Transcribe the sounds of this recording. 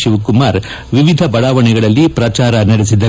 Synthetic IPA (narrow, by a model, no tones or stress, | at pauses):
ʃiʋkumaːɾ | ʋiʋid̪ʱɐbɐɭaːʋɐɳɛɡɐɭɐlːipɾɐt͡ʃaːɾɐnɐɽesid̪ɐ